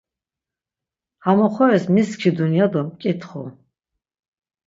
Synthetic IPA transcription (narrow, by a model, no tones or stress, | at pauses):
hamɔχɔɛsmiskʰid̪unijad̪ɔmkʼit̪ʰχɔ